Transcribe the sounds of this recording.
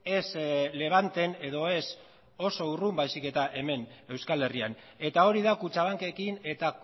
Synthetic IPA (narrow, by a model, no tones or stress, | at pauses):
e̞sle̞β̞ant̪e̞ne̞ðo̞e̞s | o̞so̞urumbajsike̞t̪aʔe̞me̞ne̞wskale̞ria̰n | e̞t̪ao̞ɾiðakut͡ʃaβaŋke̞kine̞t̪a